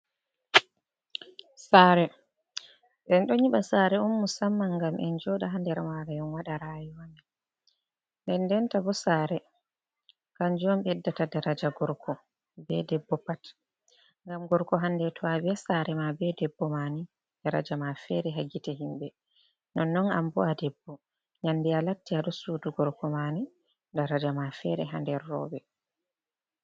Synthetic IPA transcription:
saɾɛ | ɓɛnɗɔɲiɓasaɾɛunːusamːaŋɡamʔɛ̰nd͡ʒɔɗaɦandɛɾmaɾajɔnwaɗaɾajuwamɛ | ndɛndɛntabɔsaːɾɛ | kand͡ʒɔmɓɛdːatadaɾad͡ʒaɡɔɾkʰɔ | bɛdɛbːɔpat | ŋɡamɡɔɾkɔɦandɛtʰɔabɛsaɾɛmabɛdɛbːɔmani | d̥aɾa̰d͡ʒamafɛɾɛɦaɡitɛɦimbɛ | nɔnːɔna̰mbɔadɛbːɔ | ɲandialatːiaɗɔsuːduɡɔɾkɔmani | daɾad͡ʒamafɛɾɛɦandɛɾːɔ̰ːbɛ

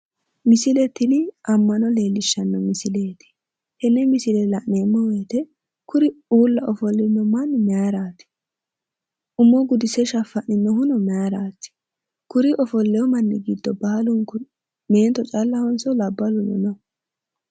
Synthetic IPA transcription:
mɪsɪlɛt̪ːɪnɪʔɐmːɐnɔle̞ːlːɪʃːɐnːɔmɪsɪleːt̪ɪ̥ | hɛnːɛmɪsɪlɛlɐʔneːmːɔwɛjt̪ɛ | kʊɾɪuːlːɐʔɔfɔlːɪnːɔmɐnːmɛaɾaːt̪ɪ̥ | ʔʊmːɔɡʊd̪ɪsɛʃɐfːɐʔnɪnːɔɦʊnɔmɛaɾaːt̪ɪ̥ | kʊɾɪʔɔfɔlːɛjɔmɐnːɪɡid̪ːɔbɐhɐlʊŋkʊ | meːnt̪ɔt͡ʃʼɐlːɐhɔnsɔlɐbːɐlʊnɔ̰nɔ

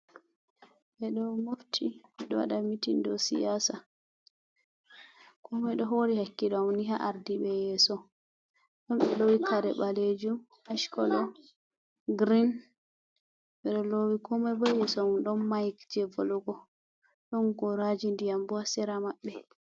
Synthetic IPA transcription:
ɓɛɗɔmoftʰiɗɔwa̰ɗamitindɔsḭjasa | kʰɔmɛɗɔɦoɾihakːiɗawniɦaʔaɾdiɓɛjɛːsɔ | ɗɔmɓɛlowikʰaɾɛɓaled͡ʒum | haʃkɔlɔ | ɡɾin | ɓɛɗɔlowikʰɔmɛbɔjɛsɔɗɔnːajkd͡ʒɛvo̰luɡɔ | ɗɔnɡɔɾad͡ʒindijambɔasɛɾamaɓːɛ

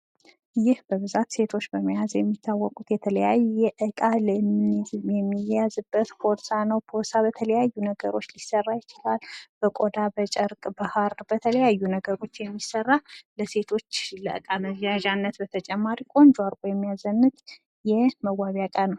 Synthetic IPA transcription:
jɪhbəβɨzat̪se̞t̪ʰo̞t͡ʃːbəməjazjɛmːit̪ʰːawːɔkʼut̪jɛt̪ʰələjajujɛʔɨkʼaləmjɛmːijjazɨbːət̪fʰo̞ɾsanəwpʰo̞sabət̪ʰələjajːunəɡəɾo̞t͡ʃːlisərːajɪt͡ʃɪlalb̥əkʼo̞d̪abət͡ʃʼəɾkʼbahaɾbət̪ʰələjajːunəɡəɾo̞t͡ʃːjɛmːisərːaləse̞t̪ʰo̞t͡ʃːləʔɨ̰kʼaməzjaʒanːət̪bət̪ʰət͡ʃʼɛmːaɾikʼo̞nd͡ʒaɾkʷʼojɛmːijazənːɨt̪ | jɛməɡaβjakʼanəw

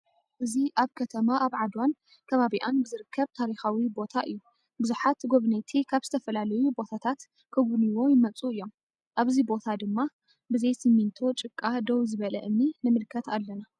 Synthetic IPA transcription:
ʔɨziʔaβkʰɐt̪ʰɐmaʔaβʕad̪wan | kʰɐβaβiʔanbɨzɨɾɨkʰːɐβt̪ʰaɾixawibo̞t̪ʰaʔɨjːu | bɨzuħat̪ɡo̞βnet̪ʰikʰaβzɨt̪ʰɐfɐlalɐjubo̞t̪ʰat̪ʰat̪ | kʰɐɡʷuniwo̞jɪmɐt͡sʼuɨjːo̞m | ʔaβzibo̞t̪ʰad̪ɨmːa | bɨzɐjsɨmːint̪ʰo̞t͡ʃʼɨkʼːad̪owzɨβɐlɐʔɨmninɨmɨlkʰɐt̪alːɐna

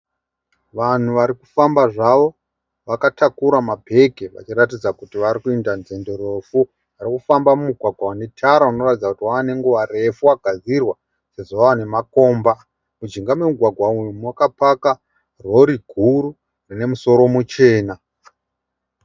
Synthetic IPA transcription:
ʋan̤uʋaɾiku̥fambaʐaʋo̞ | ʋakatʰakuɾamabʱe̞ke̞ʋa̰t͡ʃiratid͡zakutiʋaɾikuendanzendo̞ɾefu | aɾikufambamumuɡʱwaɡʱwawane̞tʰaɾauno̞ratid͡zakutiwaːne̞ŋɡuʋare̞fuwaɡ̥ʱad͡zirwa | se̞zoʋaane̞mako̞ːmba | mud͡ʒiŋɡamwe̞muɡʱwaɡʱwaumwakapaka | ro̞ɾiɡʱuɾu | rine̞muso̞ɾo̞mut͡ʃe̞ːna

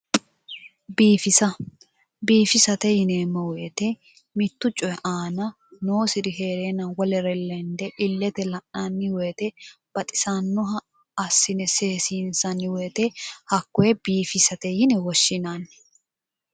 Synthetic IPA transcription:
biːfɪsɐ | biːfɪsɐt̪ɛhɪneːmːɐwɛːt̪ɛ | mɪt̪ːʊt͡ʃʼːɔjɛʔaːnɐ | noːsɪd̪ɪɦe̞ːɾeːnɐwɔlɛɾɛlːɛnd̪ɛʔɪlːɛt̪ɛlɐʔːanːɪweːt̪ɛ | b̥ɐt̪ʼɪ̥sanːɔɦɐ | ɐsːɪnɛseːsiːnsɐnɪweːt̪ɛhɐkːɔjɛbiːfɪsɐt̪ɛhɪnɛwɔʃːɪnanː

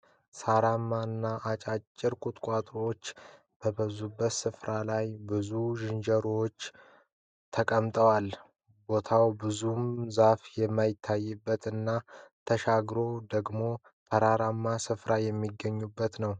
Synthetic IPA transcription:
saɾamːanːaʔːt͡ʃʼat͡ʃʼːɪɾkʼut̪ʼkʷʼat̪ʼɾot͡ʃː | b̥əbəzubːət̪sɨfɾalajbɨzuʒɪnd͡ʒəɾwot͡ʃː | t̪ʰəkʼəmt̪ʼəwal | bo̞t̪ʰawbɨzumzafjɛmːajɪt̪ʰːajːɛbːət̪ɨnːat̪ʰəʃaɡɾo̞d̪əɡmo̞ | fʰəɾaɾamːasɨfɾajɛmːiɡːəɲːubːət̪nəw

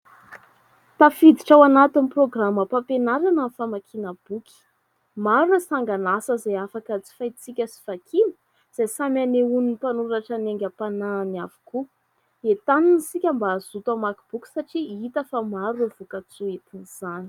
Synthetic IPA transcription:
t̪afid̪iʈ͡ʂawanat̪iniproɡraməpapenaɾanafamakʰinəb̥ukʰi̥ | maɾuasaŋɡanasəzajafakət͡si̥fajt͡sikʲəsi̥vakʰinə̥ | z̥ajsamaneuninipanuɾaʈ͡ʂaneŋɡʲapanaːniavu̥ku | et̪aninisikʲambaːz̥ut̪amakib̥ukʲi̥saʈ͡ʂiit̪əfamaɾuav̥ukat͡suet̪iniz̥ani̥

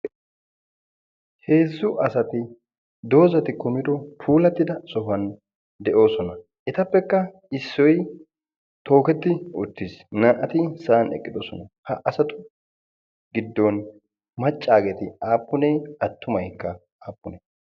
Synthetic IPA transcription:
he̞ːzːʊʔɐsɐt̪ɪ | d̪o̞ːzɐt̪ɪkɔmɪd̪ɔpʰuːlɐt̪ːɪd̪ɐsɔɦɐn | d̪ɛʔo̞ːsɔnɐ | ʔɛt̪ɐpːɛkːɐ | ɪsːɔj | t̪o̞ːkɛt̪ːɪʊt̪ːɪsnɐːʔɐt̪ɪsɐɐnɛ̰kʼːɪd̪ɔsɔnɐhɐʔɐsɐt̪ʊ | ɡɪd̪ːɔn | mɐt͡ʃʼːaːɡɛt̪ɪaːpːʊneːɐt̪ːʊmɐjkːɐ | aːpːʊne

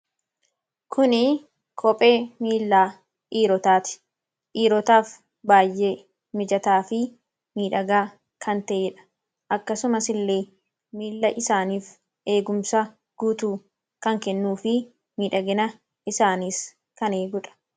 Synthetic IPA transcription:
kʰʊnɪ | kʰɔpʼe̞ːmiːlːaː | ʔiːɾɔt̪aːt̪ɪ̥ | ʔiːɾɔt̪aːf | baːjʔeː | mɪd͡ʒɐt̪aːfɪ | miːᶑɐɡaː | kʰɐnt̪ɐʔeᶑɐ̥ | ʔɐkːɐsʊmɐsɪlːeː | miːlːɐʔɪsaːniːf | ʔe̞ːɡʊmsɐ | ɡ̥ut̪uː | kɐŋkɛnːuːfɪ | miːᶑɐɡɪnɐ | ɪsaːniːs | kɐneːɡʊᶑɐ̥

